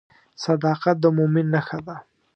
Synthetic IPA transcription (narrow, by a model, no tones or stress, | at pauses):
sad̪ɑqat̪̚d̪əmʊmɪnːaxad̪a